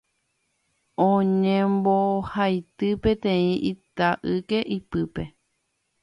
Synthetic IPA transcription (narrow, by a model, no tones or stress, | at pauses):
õɲẽmbohajt̪ɨpẽ̞t̪ẽ̞ĩʔit̪aʔɨke̞ʔipɨpe̞